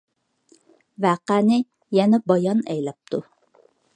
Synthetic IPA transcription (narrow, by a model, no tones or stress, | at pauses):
væːqæːnɪ | jænæbɑjɑnæjlæp̚t̪u